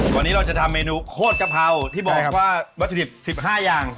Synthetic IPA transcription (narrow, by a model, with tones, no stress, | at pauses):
tɔː˨˧˩nːiː˦˥ɾa˧wt͡ɕa˨˩t̪ʰa˧mːeː˧nuː˧kʰoː˥˩t̪̚ka˨˩p̚ɦa˧wt̪ʰiː˥˩bɔː˨˩k̚waː˥˩wa˦˥sʰdi˨˩p̚si˨˩p̚ɦaː˥˩jaː˧ŋ